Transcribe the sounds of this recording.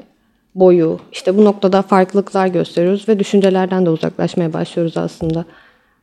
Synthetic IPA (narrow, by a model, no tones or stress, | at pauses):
bo̞juiʃt̪ʰɛbuno̞k̚t̪ʰad̪afaɾklˠɯklˠaɾɟø̞st̪ʰe̞ɾijo̞ɾuzvɛd̪yʃynd͡ʒelʲæɾd̪ænd̪ɛuza̰klˠa̰ʃmajaba̰ʃlˠɯjo̞ɾuza̰slˠɯnd̪a